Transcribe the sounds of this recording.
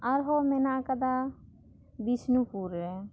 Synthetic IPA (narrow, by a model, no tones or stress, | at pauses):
ɐɾɦomenakəd̪a | b̪isnupuɾɾe